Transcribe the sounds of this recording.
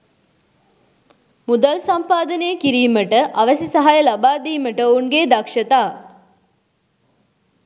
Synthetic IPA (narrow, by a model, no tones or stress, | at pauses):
mud̪əlsɐmpaːd̪əneːkiɾiːməʈəʔɐʋəsisɐɦajəlabaːd̪iːməʈəouŋɡeːd̪ɐkʂət̪aː